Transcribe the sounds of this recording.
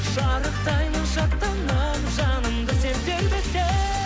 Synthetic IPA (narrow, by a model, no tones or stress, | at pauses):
ʒɑɾəq̚t̪ʰɑjnəqʃɑqt̪ːɑɴlɑmʒɑnəmd̪əsep̚t̪elbest̪ːe